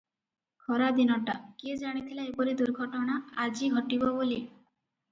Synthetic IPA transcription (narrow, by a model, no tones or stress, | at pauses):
kʰɔɾad̪inɔʈaked͡ʒaɽ̃it̪ʰilaepɔɾid̪uɾɡʱɔʈɔɽ̃aad͡ʒiɡʱɔʈibɔboli